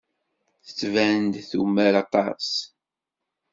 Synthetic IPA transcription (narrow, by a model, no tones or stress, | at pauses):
θə̥t͡sːvæənd̪θṵmːəɾɑt̪ˤɑ̰s